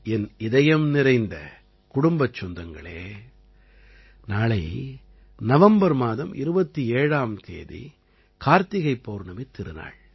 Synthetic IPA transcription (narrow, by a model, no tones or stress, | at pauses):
ɛnɪðɐjɐmnɪɾɐɪnd̪ɐ̰ | kʊɽʊmbɐt͡ʃːɔnd̪ɐŋɡɐ̰ɭḛː | naːɭɐɪ | nɐʋɐmbɐɾmaːðɐmʔɪ̰ɾɯbɐt̪ːieːɻaːmt̪ʰḛːðḭ | kaːɾt̪ɪɣɐɪpːoːɾnɐmet̪ːɪɾɯna̰ːɭ